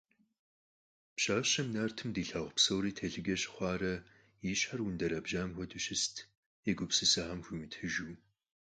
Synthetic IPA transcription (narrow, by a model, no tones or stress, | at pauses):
pɕaːɕɐmnartʰɨmdiːɬaːʁʷpsɐwɾiːtʰeɮɪɡʲɛɕχʷɑːrɐ | iːɕħɐrwʊndɐɾɐbʒaːmxʷɔduɕɪstʰ | eɡʷʊpsɨsɐħamxʷumthɨʒuː